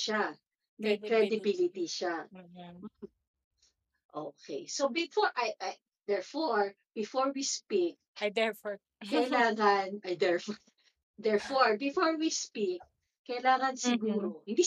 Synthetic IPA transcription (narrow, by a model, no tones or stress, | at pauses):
ʃa | mɛkɾɛd̪ɪbilɪt̪iʃa | ʔoːkḛjsobɪfoɹʔajʔa | d̪ɛɹfoɹ | bɪfoɹwispik̚ad̪ɛfɔ | kɐjɪlaːŋɐnɐd̪ɛɹfɔ | d̪ɛɹfoɹbɪfoɹwispik̚ | kːɐjɪlaːŋɐnsɪɡuːɾohɪ̃nd̪i